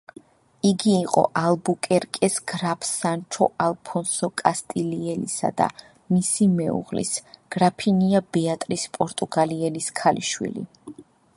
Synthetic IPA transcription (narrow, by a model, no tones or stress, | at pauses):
iɡiːqʼɔ̰ʔalˠbukʼɛɾkʼɛsɡ̥ɾapʰsant͡ʃʰɔ̰ʔalˠpʰɔnsɔkʼast̪ʼiliɛlisa̰d̪a̰ | misimɛṵʁlḭsɡ̥ɾapʰiniabɛat̪ʼɾispʼɔɾt̪ʼuɡaliɛliskʰaliʃwḭlḭ